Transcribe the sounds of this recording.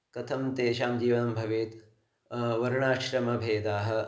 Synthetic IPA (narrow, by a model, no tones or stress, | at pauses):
kɐt̪ʰɐmt̪eːʃaːmd͡ʒiːʋɐnɐmbʱɐʋeːt̪ | ʋɐɾɳaːʃɾɐmɐbʱeːd̪aːɦɐ̆